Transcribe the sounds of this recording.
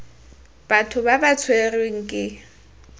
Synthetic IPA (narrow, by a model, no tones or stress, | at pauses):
b̥atʰʊbabat͡sʰwereŋ̩kʼɪ